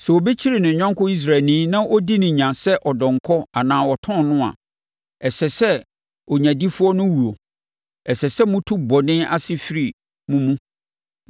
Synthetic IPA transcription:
sɛ˨o˨be˦t͡ɕʰi˦ɾi˨nɪ̃˨ɲᶣã˦ŋkʰʊ˦i˦s̬ɾa˨nĩ˦nã˦ʔɔ˦di˦nɪ̃˨ɲã˨sɛ˦ʔɔ˨dɔ̃˨ŋkʰɔ˦a˨nãː˨wɔ˨tʰɔ̃˦nʊ̃˦a̰˨ | ɛ˨sɛ˨sɛ˦ | ɔ˨ɲã˨di˦fu˦ɔ˦nʊ̃˦wu˨o˨ | ɛ˨sɛ˨sɛ˦mʊ̃˦tʰu˦bɔ˨nɪ̃˦a̰˦sɪ˦fi˦ɾi˨ | mũ˦mũ˦

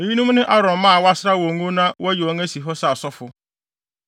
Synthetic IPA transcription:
e˨ji˦nũ˦mnɪ̃˦ʔa˦ɾɔ̃˨m˨mã˦˨wa˦sɾa˦wɔ˨ŋũ˦nã˦wɔ˦jɔ˨˦ŋɛ˦si˨ɦɔ˦sa˨sɔ˦fʊ˨

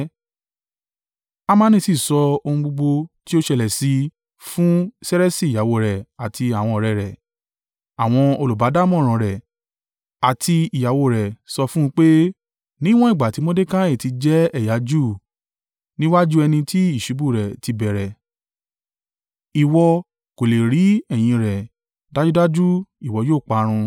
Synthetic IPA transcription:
a˦mã˦nĩ˧si˦˨sɔ˧o˧hũ˧ɡ͡bo˧ɡ͡bo˧ti˦o˦ʃɛ˧lɛ˨si˧ | fũ˦sɛ˦ɾɛ˦si˦˨ja˨wo˧˨ɾɛ˨a˨tʰi˧a˨w̃ɔ̃˧ɔ˨ɾɛ˨ɾɛ˨ | a˨w̃ɔ̃˧o˧lu˨ba˨˦da˦˨mɔ̃˦˨ɾ̃ã˨˧ɾɛ˨ | a˨tʰi˧i˨ja˨wo˧˨ɾɛ˨sɔ˧fũ˦˧˦k͡pe˦ | nĩ˦w̃ɔ̃˦i˦˨ɡ͡ba˨ti˨˦mo˦de˦kã˦e˦˨ti˧d͡ʒɛ˦ɛ˦˨ja˨˦d͡ʒu˦˨ | nĩ˦wa˦d͡ʒu˦ɛ˧nĩ˧tʰi˦i˦˨ʃi˨˦bu˦˨ɾɛ˨ti˧bɛ˨ɾɛ˨ | i˨wɔ˧ | ko˨le˨ɾi˨˦ɛ˦˨j̃ĩ˧ɾɛ˨ | da˦d͡ʒu˦da˦d͡ʒu˦i˨wɔ˧joː˦˨k͡pa˨˦ɾ̃ũ˧

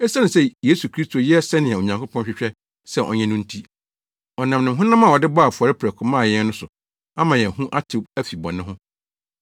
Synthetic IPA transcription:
ɛ˦sa˦nʊ̃˨se˦˨jeː˦su˨kʰɾi˦stʰo˨jɛ˦sɛ˦nɪ̃˨ɛ˨o˨ɲã˨ŋkʰʊ˦pʰɔ̃˦nɕᶣɪ˨ɕᶣɛ˦ | sɛ˦˨ʔɔ̰˨ɲɛ̃˦nʊ̃˦n̩˦tʰi˦ | ɔ˨nã˨mnɪ̃˨m˦ɦʊ̃˦nã˦mã˨ɔ˨dɪ˦ba˦˨fʊ˨ɔ˨ɾɪ˦pʰɾɛ˨kʰʊ̃˦mãː˦˨jɛ̃˦nnʊ̃˦sʊ˨ | a˦mã˨jɛ̃˨hũ˦ʔa˦tʰu˨bæ˦fi˨bɔ̰̃˨nɪ̃˦ɦʊ̃˦

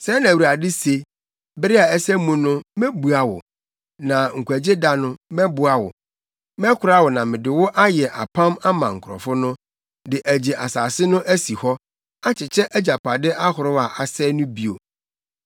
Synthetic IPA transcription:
sɛ˨˦nã˨u˨ɾa˨dɪ˦se˦ | bɪ˦ɾɪ˦a˨ɛ˦sɛ˦mũ˦nʊ̃˦mɛ̃˦bu˨a˨wʊ̰˨ | nã˨ŋ̩˨kʰʷu˨æ˨d͡ʑe˦da˦nʊ̃˦mɛ̃˦bʊ˨˦a˨wʊ̰˨ | mɛ̃˦kʰʊ˨ɾa˦wʊ˨nã˨mɪ̃˨dɪ˨wʊ˦ʔa˦jɛ˨ʔa̰˨pʰã˦ma˦mã˨ŋ̩˨kʰʊ˨ɾɔ̰˨fʊ˦nʊ̃˦ | dɪ˨ʔæ˨d͡ʑe˨ʔa˨saː˨sɪ˦nʊ̃˦ʔæ˦si˨hɔ˦ | a˦t͡ɕʰɪ˨t͡ɕʰɛ˦ʔæ˦d͡ʑa˨pʰa˨dɪ˦ʔa˦hʊ˨ɾʊ˦a˨ʔa˨sɛː˦nʊ̃˦bi˦o˨

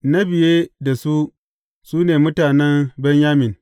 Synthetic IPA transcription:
na˦bɪ˨jeː˦da˨su˦ | suː˦neː˨mʊ˦taː˨nɛ˦mbɛ˦ɲjaː˦mɪ˨n

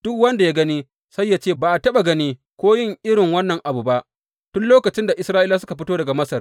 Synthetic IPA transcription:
d̥ʊ˦kwɐ˦nda˨ja˦ɡɐ˦niː˦ | sa˦jːa˦t͡ʃeː˦baː˨ʔa˨tɐ˦ɓa˨ɡɐ˦niː˦ | kʷoː˦jɪ˦ŋʔɪ˦ɽɪ˨ŋwɐ˦nːɐ˨ŋʔa˨bu˨ba˦ʔ | tʊ˦nloː˦kɐ˨t͡ʃɪ˦nda˨ʔɪ˨sɾaː˦ʔɪ˦laː˦s̬ʊ˦ka˨ɸɪ˦toː˦dɐ˨ɡa˨mɐ˦sɐ˨r

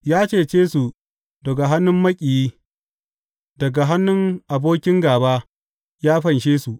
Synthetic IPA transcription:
jaː˦t͡ʃeː˦˨t͡ʃeː˦su˨ | dɐ˨ɡa˨ɦa˦nːʊ˦mːɐ˦kʲʼi˨jiː˦ | dɐ˨ɡa˨ɦa˦nːʊ˦ŋʔa˨boː˦kʲɪ˦ŋɡaː˨baː˦ | jaː˦ɸɐ˨nʃeː˦su˨ʔ

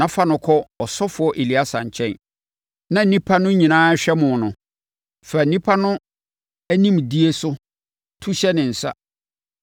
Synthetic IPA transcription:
nã˨˦fa˦nʊ̃˨kʰɔ˦ɔ˨sɔ˦fʊ˨˦ɔ˦ʔe˨li˨˦a˦sã̰˨ɲ˨t͡ɕʰɛ̃˦n | nã˨n̩˦nĩ˦pʰa˦nʊ̃˦ɲĩ˨nãː˦ɕᶣɛ˦mʊ̃˨nʊ̃˨ | fæ˨n̩˨nĩ˦pʰa˦nʊ̃˦ | æ˦nĩ˦mdi˦e˦sʊ˦ | tʰu˦ɕɛ˦nɪ̃˨n̩˨sa̰˦

